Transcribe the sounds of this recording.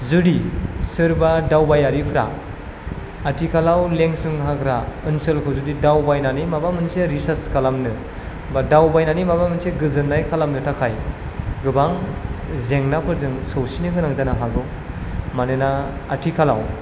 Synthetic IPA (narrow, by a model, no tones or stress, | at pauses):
zudisɯɾbadawbajaɾipʰɾa̰ | atʰikʰalawleŋsɯŋɦakʰɾaɯnsɯlkʰɔzudidawbajnanimabamɯnseɾisaskʰalamnɯ | badawbajnanimabamɯnseɡɯzɯnːajkʰalamnɯtʰakʰaj | ɡɯbaŋzeŋnapʰɯɾzɯŋsɔwsinɯkʰɯnaŋzanaɦaɡɔ | manɯnaatʰikʰala̰w